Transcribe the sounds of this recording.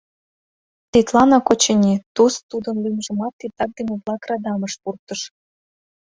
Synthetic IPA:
t̪et̪lɑnɑkot͡ɕənʲit̪ust̪ud̪ənlimʒə̆mɑt̪ːit̪ɑk̚d̪emʲeβlɑkrɑd̪ɑməʃpurt̪əʃ

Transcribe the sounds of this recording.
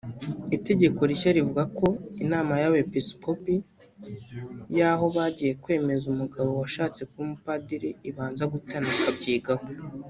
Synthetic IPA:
ite̞ɟe̞ko̞ɾiʃaɾivuɡako̞inaːmajawepisko̞pi | jaɦo̞βaɟije̞kwe̞ːme̞zumuɡaβo̞waʃaːt͡se̞kumupadiɾiiβaːnzaɡutanakabɟiːɡaho

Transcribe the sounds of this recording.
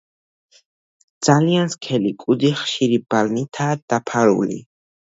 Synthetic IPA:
d̪z̥alianskʰɛlikʼud̪ziχʃiɾibalnit̪ʰaːd̪̥apʰaɾṵlḭ

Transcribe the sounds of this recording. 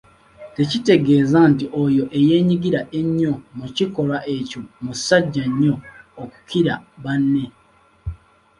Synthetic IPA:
te̞cite̞ɡe̞ːzantiʔojo̞ʔe̞je̞ːɲiɡiɾaʔe̞ɲːo̞muciko̞lwaʔe̞comusaɟːaɲːo̞ːku̥kʰiɾaβanːe̞

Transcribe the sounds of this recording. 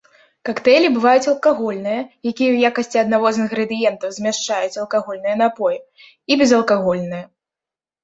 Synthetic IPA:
kakt̪ɛlʲibɨvajut͡sʲɐlˠkaɣɔlʲnɨjɐjakʲijɛwjakɐsʲt͡sʲiɐd̪navɔzɨnɣɾɨd̪ɨjɛnt̪ɐwzʲmʲɛʂt͡ʂajut͡sʲɐlˠkaɣɔlʲnɨjɐnapɔjɛ | ibʲɛzɐlˠkaɣɔlʲnɨjɐ

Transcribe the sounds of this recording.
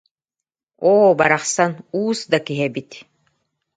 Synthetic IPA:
oːbaɾaχsanuːsd̪akiɦɛbit̪

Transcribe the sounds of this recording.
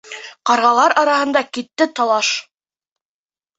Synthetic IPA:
qɑɾʁɑlˠɑɾɑɾɑɦɤ̆nd̪ɑkit̪ːɘt̪ɑlˠɑʃ

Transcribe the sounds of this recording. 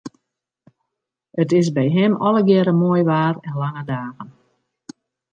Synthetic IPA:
ətɪsbɛjɦɛmɔləɡjɛɾəmoəjʋaːrɛnlaŋədaːɣən

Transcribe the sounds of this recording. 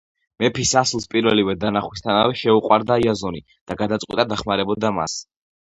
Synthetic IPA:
mɛpʰisaslˠspʼiɾvɛlivɛd̪anaχwist̪ʰanavɛʃɛuqʼwaɾd̪aiazɔni | d̪̥aɡad̪at̪sqʼwit̪ʼad̪aχmaɾɛbɔd̪ama̰s

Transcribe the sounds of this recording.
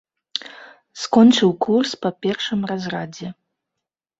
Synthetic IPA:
skɔnt͡ʂɨwkurspɐpʲɛrʂɨmrazrad͡zʲɛ

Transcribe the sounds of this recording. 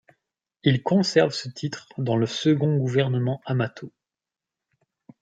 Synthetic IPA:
ilkɔ̃sɛʁvsət̪ʰit̪χd̪ɑ̃ləsəɡɔ̃ɡuvɛʁnəmɑ̃amat̪ʰo

